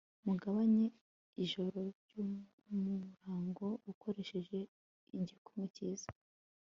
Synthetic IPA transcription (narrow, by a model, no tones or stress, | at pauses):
muɡaβaɲe | iʒo̞ɾo̞ɾɟu | muɾaːŋɡo̞ukʰo̞ɾe̞ʃe̞ʒe̞ | iɲɟikumŋeciːz̥ḁ